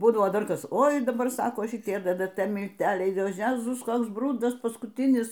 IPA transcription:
ˈbuːdɐʋoː ˈdɐr ˈkɐs ˈoːɪ dɐˈbɐr ˈsɑːkoː ʃʲɪˈtʲiɛ ttt mʲɪlʲˈtʲæːlʲɛɪ oː ˈjæːzʊs ˈkoːks ˈbrʊdɐs pɐskʊtʲˈɪnʲɪs

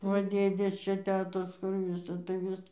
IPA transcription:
ˈʋɐ ˈdʲeːdʲeːs ˈt͡ʃʲɛ ˈtʲæːtoːs kʊr ˈʋʲɪsɐ tɐɪ ˈʋʲɪs

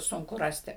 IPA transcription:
ˈsʊŋkʊ ˈrɑːsʲtʲɪ

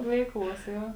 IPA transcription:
ˈʋʲɛɪˌklˠuɔs ˈjoː

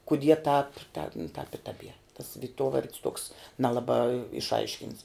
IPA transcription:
kʊˈdʲiɛ tɑːp tʲɛn tɑːp ɪ tɐˈbʲiɛr tɐs ʋʲɪˈtuɔʋɐrʲtʲs tuɔks nʲɛˈlˠɑːbɑː ɪʃˈɐɪʃʲkʲɪnts

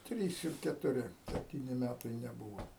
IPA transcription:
ˈtʲrʲiːs ɪr kʲɛtʊˈrʲɪ sʲɛpʲˈtʲiːnʲɪ ˈmʲætɐɪ nʲɛˈbuːʋoː

